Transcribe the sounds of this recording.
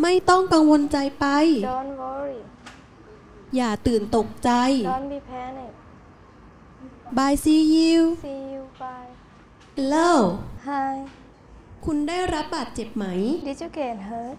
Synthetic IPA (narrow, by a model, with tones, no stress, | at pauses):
ma˥˩jt̪ɔ˥˩ŋka˧ŋwo˧nt͡ɕa˧jpa˧jdːnwɔ˧˦ɾi˧˩ | jaː˨˩t̪ɯː˨˩nt̪o˨˩k̚t͡ɕa˧jɔ˧nmiː˧pʰɛ˧˥ni˨˩k̚ | baː˧jsiː˧ji˧wi˧wa˧j | laː˥˩wha˥˧˩ | kʰu˧ndaː˥˩jɾa˦˥p̚baː˨˩t̪̚t͡ɕe˨˩p̚ma˩˦jdi˧t͡ɕu˧ke˨˩n˦